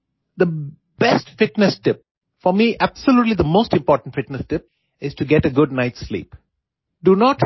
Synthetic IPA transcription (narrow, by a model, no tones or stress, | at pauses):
d̪ə | b̥ɛsʈfɪʈnɛsʈɪp̚ | fɔɾmiʔæbsəljuːʈlid̪əmoːsʈɪ̃mpɔːʈə̃n̩ʈfɪʈnəsʈɪp̚ | ɪz̥ʈuɡɛʈəɡʊɖ̚naɪʈslḭːp | ɖunɔːʈ